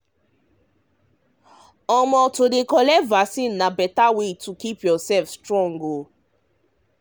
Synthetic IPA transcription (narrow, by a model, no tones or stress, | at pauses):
ɔ̃mɔtodekɔlɛtvasĩnːabɛtawetukipjɔsɛlfstɹɔ̃ŋɡo